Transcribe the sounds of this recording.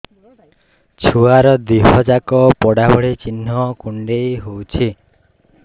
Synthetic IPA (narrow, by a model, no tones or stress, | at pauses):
t͡ʃʰuaɾɔd̪iɦɔd͡ʒakɔpɔɽabɔɭit͡ʃin̤ːɔkuɳɖejɦowt͡ʃʰi